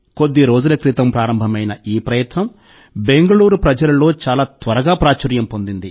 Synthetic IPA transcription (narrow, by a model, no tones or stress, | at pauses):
ko̞d̪ːiɾo̞ːd͡ʒulɐkɾit̪ɐmpɾaːɾɐmbʱɐmɐjnɐiːpɾɐjɐt̪nɐm | be̞ŋɡɐluːɾupɾɐd͡ʒɐlɐlo̞ːt͡ʃaːlaːt̪ʋɐɾɐɡaːpɾaːt͡ʃɐɾjɐmpo̞nd̪ind̪i